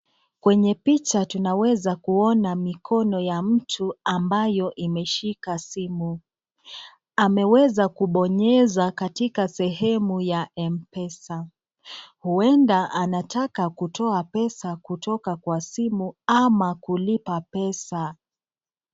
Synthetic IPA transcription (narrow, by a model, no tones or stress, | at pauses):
kwɛɲɛpit͡ʃatunawɛzakuɔnamikʰɔnɔjam̩tʰuambajɔʔimɛʃikasimu | amɛwɛzakuɓɔɲɛzakatikasɛɦɛmujaʔɛmpɛsa | huɛndaʔanatakakutʰɔapɛsakutʰɔkakwasimuamakulipapɛsa